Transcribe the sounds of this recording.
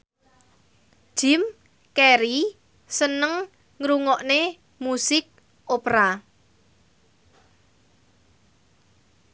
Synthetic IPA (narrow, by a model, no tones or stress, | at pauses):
ʒ̥ɪ̤m | kɛɾi | sənəŋ | ŋɾuŋɔʔne | musɪk̚ | opɾa